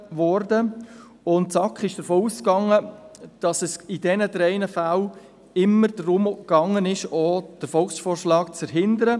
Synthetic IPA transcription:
ʋɔɾdə | ʊntsɑkχɪʃd̥əɾfoːuːskɑŋːəd̥ɑsəsɪdɛnədɾɛɪnəfal | ɪmːəɾd̥ɾʊmkɑŋːənɪʃoːd̥əɾfɔlksfoːɾʃlɑːkt͡sfəɾɦɪndəɾə

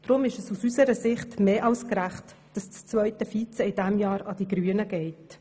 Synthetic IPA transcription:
d̪̥ɾʊmɪʃəsusysəɾəsɪχtmeːʔɑskɾæχt | d̥ɑst͡st͡sʋœʏtəfiːt͡səɪd̥ɛmjɑːɾɑd̥iɡɾyːənəɡ̥ɛɪt

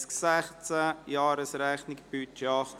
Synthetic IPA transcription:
sksæχt͡səjɑːɾəsɾæχnɪkb̥yt͡ʃeɑχt

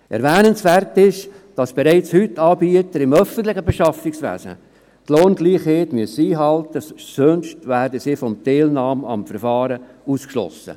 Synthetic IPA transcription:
ʔɛ̰ɾvæːnənsʋærtɪʃd̥ɑsb̥eɾɛɪt͡shʏtːɑːbiət̪əɾɪmœfən̩t̪lɪxəbeʃɑfɪksʋæ̰ːzə̰ | tloːnɡ̥liːχheːtmyəsiːɦɑltəsønʃtʋæːɾdəsiːfɔmteːlnɑːmɑ̰mfəɾfɑːɾəuːskʃlɔ̰sə̰

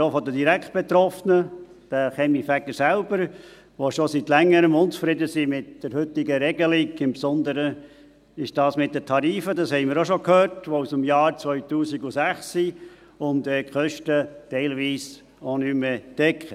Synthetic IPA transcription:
ofɔd̪ədiɾækt̚b̥ɛt̪ɾɔfnə | d̥æχɛmifæɡəɾsælbəɾ | ʋoʃosit̪lɛŋːəɾəmʊnt͡sfɾɪdəsimɪtd̥əɾhʏt̪ɪɡəɾɛɡəliɡɪmpsɔnd̪əɾə | ɪʃd̥ɑːsmɪt̚d̥̪ətʰɑɾiːfədɑshɛɪmɪːɾoʃokhøːɾtʋousəmjɑːɾt͡sʋœʏtuːsiɡusæχsːi | ʊntɛːkχœʃtətɛɪlʋiːs | onymːed̥ɛkχə

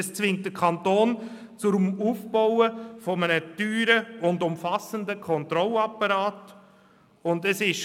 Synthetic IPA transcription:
st͡sʋɪŋt̚d̥əkʰɑntoːn | t͡sʊmuːfbɔʊəfɔmənətyːɾəʊndʊmfɑsəndəkʰɔntɾɔlɑpːɑɾɑːt | ʊndɛsɪʃ

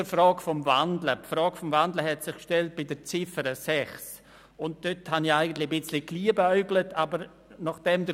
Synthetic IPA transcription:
əfɾɔːɡfɔmvandləpfɾɔːɡ̥fɔmvandləɦɛtsɪχkʃtɛlt̚b̥ɪdət͡sɪfəɾəsɛχs | ʊnt̚d̥øthanɪaɪɡəntlɪəbɪt͡slɪkliːəbayɡlətʰabəɾ | naχd̥ɛmdə

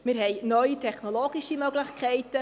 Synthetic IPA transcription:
mɪːɾɦɛɪnœjitʰɛχnoloɡiʃimøɡlɪχkʰɛɪtə

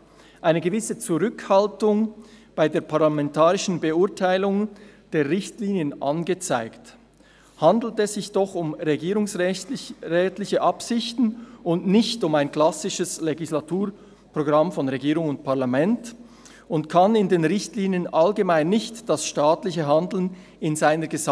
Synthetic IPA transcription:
ʔaɪnəɡəvɪsət͡suʁʏkhaltʊŋb̥aɪdeːɐpʰaʁlamɛntaːʁɪʃn̩bəʊɐtʰaɪlʊŋd̥eːɐʁɪçtliːnjənʔanɡət͡saɪkt | handl̩tɛsz̥ɪçd̥ɔχʊmʁeɡiːʁʊŋs | ʁɛːtlɪçəʔapsɪçtn̩ʊntnɪçtʊmaɪnkl̥asɪʃəsleɡislatʰuːɾ | pʁ̥oɡʁamfɔnʁeɡiːʁʊŋʊnt̚pʰaɐlamɛnt | ʊntkʰanɪndeːnʁɪçtliːnjənʔalɡəmaɪnːɪçtd̥asʃtaːtlɪçəɦandl̩n | ɪnzaɪnəɡəz

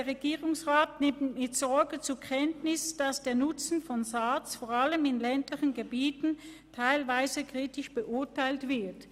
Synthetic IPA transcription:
eɐʁeɡiːʁʊŋsʁaːtnɪmtmɪtz̥ɔɐɡət͡suɐkʰɛntnɪsd̥asd̥eːɐnʊt͡sn̩fɔnzaːt͡sfoːʁaləmɪnlɛntlɪçənɡəbiːtn̩ | tʰaɪlvaɪzəkʁ̥iːtɪʃb̥əʔʊɐtʰaɪltv̥ɪɐt

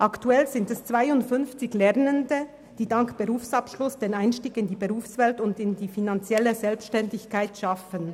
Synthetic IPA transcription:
ʔaktuɛlzɪntɛst͡sv̥aɪʊntfʏnft͡sɪçlɛʁnəndə | d̥iːdaŋkb̥əʁuːfsapʃlʊsd̥eːnaɪnʃtiːɡɪndiːbəʁuːfsvɛltʊndɪndiːfinant͡sjɛləzɛlpsʃtɛndɪçkʰaɪtʃafən

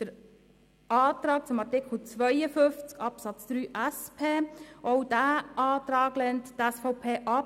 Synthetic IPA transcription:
d̪̥əɾ | ɑːt̪ɾɑːk̚t͡sʊmɑɾtɪkχl̩t͡sʋœjəfʏft͡skɑpsɑt͡sd̥̪ɾyːʔæspʰeːɔwd̥æːʔɑːt̪ɾɑːɡlɛnttæsfɔʊpʰeːʔɑ

